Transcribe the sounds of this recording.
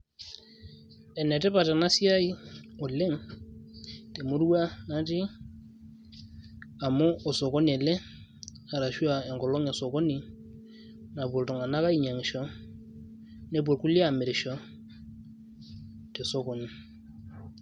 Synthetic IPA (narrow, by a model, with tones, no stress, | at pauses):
ɛ˨nɛ˨tɛ˦pa˨tɛ˨na˦si˦a˦i˦ɔ˨le˦ŋ | te˨mu˦ɾwa˦na˦ti˦ | a˨mɔ˦ɔ˨so˨kɔ˦n˨ɛ˨lɛ˦ | a˨ɾa˨ʃu˦a˨ɛ˨ŋɡɔ˨lɔ˦ŋɛ˨sɔ˨kɔ˦ni˨ | na˨pwo˨ltɔ˨ŋa˨na˦ka˦i˨ɲa˨ŋ˨ʃɔ˨˦ | ne˦b̬o˨lku˦li˦a˦˨mɪ˨ɾɪ˨ʃɔ˨˦ | te˨so˦kɔ˨ni˨